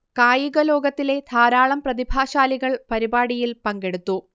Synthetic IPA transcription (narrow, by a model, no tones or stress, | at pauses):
kaːjuɣɐlo̞ːɡɐt̪ːile̞d̪ʱaːɾaːɭɐmprɐðibʱaːɕaːliɣɐɭpɐɾibaːɽijilpɐŋɡe̞ɽut̪ːu